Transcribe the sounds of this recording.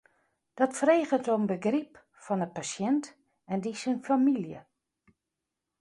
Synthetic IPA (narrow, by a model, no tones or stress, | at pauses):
d̥ɔtfəreːɣətoənbəɡrip | fɔnəpasjɛnt | ɛndisənfamiljə̰